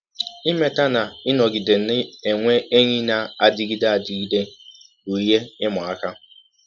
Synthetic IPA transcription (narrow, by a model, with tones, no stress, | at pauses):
i˦me˦ta˦na˨ɪ˦nɔ˨ɡi˨de˨n̩˨˦ɪ˦e˨ŋʷe˦e˦ɲi˦na˨a˨dɪ˦ɡi˦da˨di˨ɡi˦de˦ | ɡu˨i˨je˦ɪ˦mʊ˨a˦ka˦